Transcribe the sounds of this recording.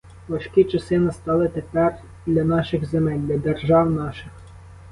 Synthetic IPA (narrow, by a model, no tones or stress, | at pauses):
ʋɐʃkʲit͡ʃɐsɪnɪst̪ɑlˠɪt̪epɛr | d̪ʲlʲɐnɑʃɪxzemɛlʲd̪ʲlʲɐd̪erʒɑwnɑʃɪx